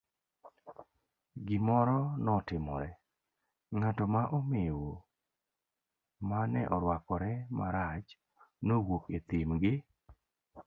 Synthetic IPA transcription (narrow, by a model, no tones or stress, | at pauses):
ɡɪmɔɾɔnɔtɪmɔ̰ɾɛ | ŋatɔmaʔomɪwo | manɛʔɔɾwakɔɾɛmaɾat͡ʃ | nowoket̪ɪmɡɪ